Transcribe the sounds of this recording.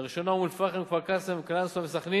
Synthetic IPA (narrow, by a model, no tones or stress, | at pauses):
ʁiʃonaulfaχemkvaʁkasemklansavesaχni